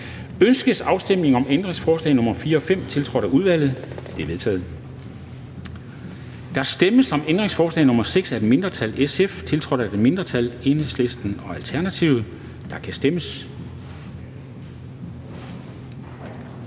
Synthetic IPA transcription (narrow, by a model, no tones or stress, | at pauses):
ønsɡ̥əsɑ̈ʊsd̥em̰ne̝ŋɒ̽mend̥ʁe̝ŋsfɒːslɛ̰ɪnɔ̽mɐfiːɐɒ̽fem̰t͡sʰe̝lt͡sʰʁɒ̽ɾ̥ɐʔuð̞ˠʋæl̰ð̞̩ˠd̥e̝ʋe̝ðˠt͡sʰɛ̰ːð̩ˠ | d̥ɑ̈sd̥eməsɒ̽mend̥ʁeŋsfɒːslɛ̰ɪnɔ̽mɐseɡ̥sæ̥e̥me̝nd̥ʁɐt͡sʰæleseft͡sʰe̝lt͡sʰʁɒ̽ɾ̥æd̥eme̝nd̥ʁɐt͡sʰæle̝nesle̝sd̥n̩ɒ̽ælt͡sʰæɐnæt͡sʰiʊ̰ð̩ˠ | d̥ɑ̈kʰæsd̥eməs